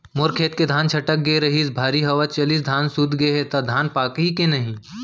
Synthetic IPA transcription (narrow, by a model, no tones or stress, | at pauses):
moɾkʰeːt̪̚ked̪ʱaːnt͡ʃʰɐʈək̚ɡeɾɐɦisbʱaːɾiɦɐʋat͡ʃɐlisd̪ʱaːnsʊd̪ɡeeɦet̪ad̪ʱaːnpaːkɦikenɐɦĩ